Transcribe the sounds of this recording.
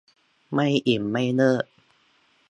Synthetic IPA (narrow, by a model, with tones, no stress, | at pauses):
ma˥˩jʔi˨˩mːa˥˩jnɤː˥˩ʔ̚